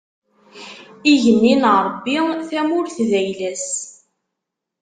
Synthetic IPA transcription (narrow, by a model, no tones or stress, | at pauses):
iʝənːinəʁɾˤbːiθæmʊɾθðæjlæs